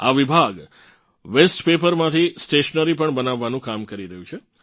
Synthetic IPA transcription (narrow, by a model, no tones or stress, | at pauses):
a̰ʋibʱaɡ | ʋesʈpepəɾmãt̪ʰisʈeʃənəɾip̬əɳbənaʋːanũkamkəɾiɾəɦjũt͡ʃʰe